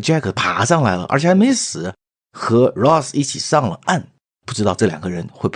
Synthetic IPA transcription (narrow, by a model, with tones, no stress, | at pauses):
t͡ɕja˥˩kʰə˨˩pʰa̰˧˥ʂɑ˥˩ŋla˧˥ɪlə̰˧ə̰˞˧˥t͡ɕʰjme˧˥ɪsɹ̩˨˩˦ | xɤ˧˥ɻɔ˥˩si˥˩t͡ɕʰi˨˩ʂɑ˥˩ŋlə̰˩a˥˩˧n | pu˥˩ʈ͡ʂɻ̩˥t̪ɑ˥˧ʊʈ͡ʂɤ˥˩ljɑ̰˨˩ŋɡə˦ɻə˧˥nxwe˥˩ɪp